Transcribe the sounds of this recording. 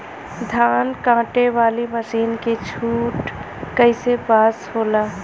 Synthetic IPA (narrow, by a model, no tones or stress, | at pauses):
d̪ʱaːnkãːʈeʋaːliməsiːnket͡ʃʰuːʈ | kəɪsepaːshoːlaː